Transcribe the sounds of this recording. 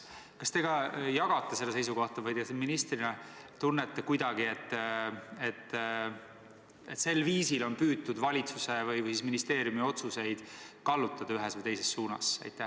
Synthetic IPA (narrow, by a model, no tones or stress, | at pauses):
kɑst̪e̞ɡ̥ɑjɑɡ̥ɑt̪ːˑese̞lːese̞jsuko̞ht̪ɑvɑjd̪kɑseminist̪rinɑt̪unːet̪ːˑekujd̪ɑɡ̥ie̞t̪ˑːe̞t̪ː | et̪se̞lːviːsilo̞npyːt̪ːud̪vɑlʲit̪suse̞vɯjvɯjsisminist̪e̞ːɾjumio̞t̪suse̞jd̪̥kɑlːut̪ːˑɑd̪̥ɑyɦesvɯjt̪e̞jse̞sːuːnɑ̰sɑ̰jt̪ːˑæ